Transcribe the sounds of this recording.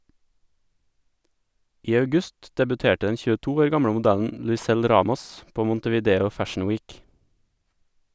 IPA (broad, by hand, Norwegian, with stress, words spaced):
ˈiː ɑʉˈɡʉst dɛbʉˈteːʈə ˈdɛn çʉːəˈtuː ˈoːɾ ˈɡɑmɽə mʊˈdæʎn̩ lʉɪˈsɛl ˈɾɑːmɔs ˈpoː ˌmʊntəʋiːˈdeːʊ ˈfæʃn̩ ˈwiːk